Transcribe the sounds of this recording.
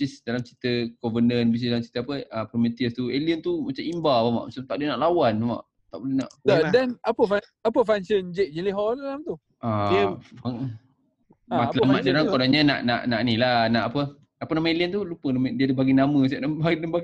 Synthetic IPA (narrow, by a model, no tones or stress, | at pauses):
bisisdalamt͡ʃi̥t̪əɡovənənbis̬isdalamt͡ʃit̪əapəəpɾomet̪iəst̪ueliənt̪umat͡ʃamimbabama̰ʔmat͡ʃamt̪aʔdiənaʔlawanama̰ʔ | t̪aʔbolɛnaʔadɛnapəfa | apəfaŋsənd͡ʒeʔ̚d͡ʒiliɦɔalamt̪u | amaŋ | maəlamadaɾaŋkkodaɲəna̰ʔna̰ʔnaʔnilanaʔapə | apənamə̃eliənt̪ulupənamədiədəbaɡinamə̃s̬aʔdabadambaɡ